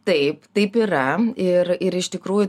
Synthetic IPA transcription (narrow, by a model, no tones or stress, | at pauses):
t̪ɐɪpt̪ɐɪpiːɾɐɪɾɪɾɪʃt̪ʲɪkɾuːjʊ